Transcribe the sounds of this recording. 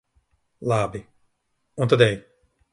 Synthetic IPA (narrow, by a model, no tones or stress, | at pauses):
lˠabi | ũnt̪ad̪ɛj